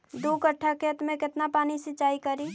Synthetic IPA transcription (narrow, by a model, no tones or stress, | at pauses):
d̪okəʈʰːaket̪mẽkɪt̪napaːnisɪt͡ʃaːikəɾi